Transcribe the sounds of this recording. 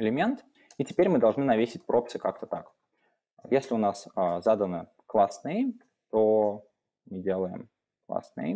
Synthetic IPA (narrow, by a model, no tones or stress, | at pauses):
ɪlʲɪmʲe̞nt̪ | itʲɪ̥pʲeɾʲmɨd̪ɐlˠʐnɨnɐvʲesʲɪtʲpɾopsɨkak̚t̪ət̪ak | jesʲlʲɪʊnasəzad̪ənə | klˠasnɨjə | t̪o | mɨdʲe̞lˠəjɪ̰m | klˠa̰snɨ̰jə